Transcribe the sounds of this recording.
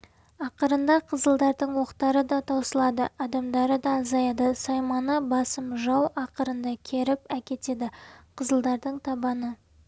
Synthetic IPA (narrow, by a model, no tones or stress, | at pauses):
ɑqəɾənd̪ɑqʰəzəlˠd̪ɑɾd̪əɴwo̞qt̪ɑɾəd̪ɑt̪ʰɑwsəlˠɑd̪əɑd̪ɑmd̪ɑɾəd̪ɑːzɑjɑd̪əsɑjmɑnəbɑsəmʒɑwɑqəɾənd̪ɑkʲʰe̞ɾɪpækʲe̞t̪e̞d̪ɪqʰəzəlˠd̪ɑɾd̪əɴt̪ʰɑbɑnə